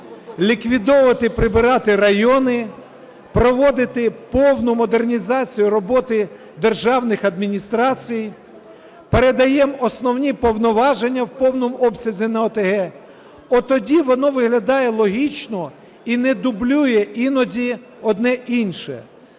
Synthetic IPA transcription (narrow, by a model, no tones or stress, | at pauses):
lʲikʋʲid̪ɔʋɐt̪ɪpɾɪbɪɾɑt̪ɪrɐjɔnɪ | pɾɔʋɔd̪ɪt̪ɪpɔwnʊmɔd̪ernʲizɑt͡sʲijʊɾɔbɔt̪ɪ | d̪erʒɑwnɪxɐd̪mʲinʲist̪ɾɑt͡sʲij | peɾed̪ɐjɛmɔsnɔwnʲipɔwnɔʋɑʒenʲːɐwpɔwnɔmɔbsʲɐzʲinɐɔt̪eɦɛ | ɔt̪ɔdʲiʋɔnɔʋɪɦlʲɐd̪ɑjɛlˠɔɦʲit͡ʃnɔ | inɛd̪ʊblʲujɛʔinɔzʲi | ɔd̪nɛʔinʃɛ̰